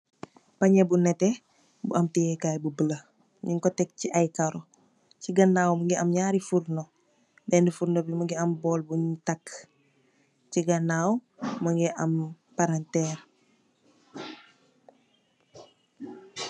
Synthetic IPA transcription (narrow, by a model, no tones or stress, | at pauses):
pɐɲɛbunɛtɛ | buʔɐmtijɛkaːjbubələ | ɲiŋkɔtɛk̚ciʔajkaɾɔ | ciɡɐnːaːwmɐŋɡiɐmɲaːɾifuɾnɔ | dɛndifuɾnobimɐŋɡiɐmbɔːlbuɲtak | ciɡɐnaːwmɐŋɡiʔɐm | paɾantɛːr